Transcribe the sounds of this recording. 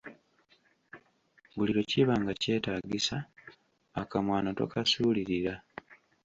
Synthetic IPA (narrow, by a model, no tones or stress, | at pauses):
βuliɾo̞ciβaːŋɡace̞ːtaːɡisa | akamwaːnoto̰kʰasuːliɾiɾa